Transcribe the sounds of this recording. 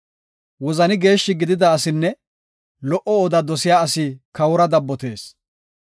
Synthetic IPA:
wɔzɐnɪɡe̞ːʃːɪɡɪd̪ɪd̪ɐːsɪnːɛ | lɔʔɔoːd̪ɐd̪ɔsɪjaːɐsɪkɐwʊɾɐd̪ɐbːɔt̪e̞ːs

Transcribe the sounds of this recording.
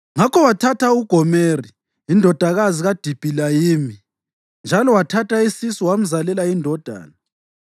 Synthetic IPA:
ŋakʰɔwatʰatʰauɡ̥ʱɔmeri | indʱɔd̥ʱaɣaziɣad̥ʱib̥ʱilajiːmi | nd͡ʒʱalɔwatʰatʰaisisɔwam̩zalɛlaindʱɔd̥ʱa̰ːna

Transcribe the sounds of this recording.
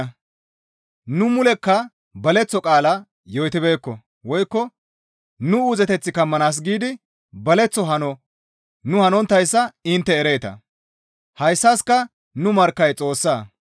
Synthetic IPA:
nʊmʊlɛkːɐ | bɐlɛt͡sːɔkʼaːlɐ | jɔjt̪ɪbe̞ːkːɔ | wɔjkːɔ | nʊuzɛt̪ɛt͡sːɪkɐmːɐnaːs̬ɡiːd̪ɪ | bɐlɛt͡sːɔɦɐnɔ | nʊhɐnɔnt̪ːɐjsːɐɪnt̪ːɛːɾe̞ːt̪ɐ̰ | hɐjsːaːskɐ | nʊmɐɾkːɐjt͡sʼo̞ːsːaː

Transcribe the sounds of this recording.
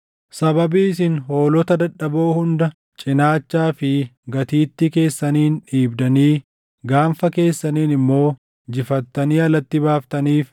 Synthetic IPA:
sɐbɐbiːsɪnɦo̞ːlɔt̪ɐd̪ɐᶑːɐbo̞ːhʊnd̪ɐ | t͡ʃʼɪnaːt͡ʃːaːfɪɡɐt̪iːt̪ːɪke̞ːsːɐniːnᶑiːbd̪ɐniː | ɡaːɱfɐke̞ːsːɐniːnɪmːo̞ː | d͡ʒɪfɐt̪ːɐniːɐlɐt̪ːɪbaːft̪ɐniːf

